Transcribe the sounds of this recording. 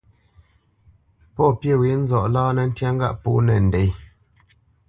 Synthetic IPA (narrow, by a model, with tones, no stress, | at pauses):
pɔ˦˨pje˦˨wi˨˦n̩˦zɔ˨ʔlɔː˦nɛ˨n̩˦tja˦ŋ˦ɡa̰˦ʔpo˦nɛ˨n̩˨de˨j